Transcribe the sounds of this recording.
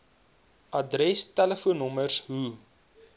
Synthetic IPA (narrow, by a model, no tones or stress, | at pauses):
ʔɐdɾɛstæləfuənɔmərsɦu